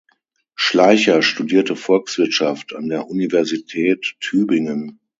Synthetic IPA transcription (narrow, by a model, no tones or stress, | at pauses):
ʃlaɪçɐʃtudiːɐtəfɔlksv̥ɪɐtʃaftandeːɐʔunivɛɐzitʰɛːtʰːyːbɪŋən